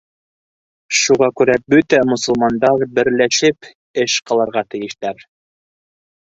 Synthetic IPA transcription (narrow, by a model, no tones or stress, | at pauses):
ʃuʁɑkʉɾæbɵt̪æmɵ̆sɤ̆lˠmɑnd̪ɑɾbɘ̆ɾlæʃɘp | ɘʃqɑlˠɑɾʁɑt̪ɘ̆jɘ̆ʃt̪æɾ